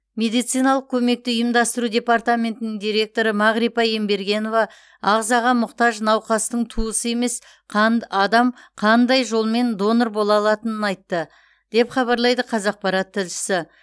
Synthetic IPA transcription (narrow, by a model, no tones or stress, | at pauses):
me̞d̪ijt̪sijnɑlˠəq̚kʲʰɵme̞k̚t̪ɪʏjɪmd̪ɑst̪əɾud̪ʲe̞part̪amʲe̞nt̪ɪnɪŋd̪ijɾe̞k̚t̪o̞ɾəmɑʁɾipɑje̞mbe̞ɾɡʲe̞no̞vɑ | ɑʁzɑʁɑmʊqt̪ɑʒnɑwqɑst̪əɴt̪ʰuəsəe̞me̞s | qʰɑnɑd̪ɑmqʰɑnd̪ɑjʒo̞lˠme̞nd̪o̞noɾbo̞lˠɑlˠɑt̪ənənɑjt̪ːə | d̪̥e̞pχɑβɑɾlˠɑjd̪əqʰɑzɑq̚pɑɾɑt̪ʰːɪlʃɪ̥sɪ